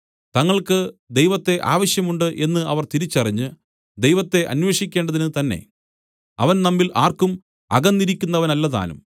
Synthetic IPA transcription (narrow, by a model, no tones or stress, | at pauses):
t̪ɐŋːɐɭkɨd̪e̞jʋɐt̪ːe̞ʔa̰ːʋɐɕjɐmuɳɖɨʔe̞nːɨʔɐʋɐrt̪iɾit͡ɕːɐriɲːɨ | d̪ejʋɐt̪ːe̞ʔɐ̰nweːʂikʲːe̞ːɳɖɐðinɨt̪ɐnːe̞̰ | ɐʋɐnnɐmːilʔaːrkum | ɐ̰ɣɐnːiɾikʲːunːɐʋɐnɐlːɐða̰ːlṵm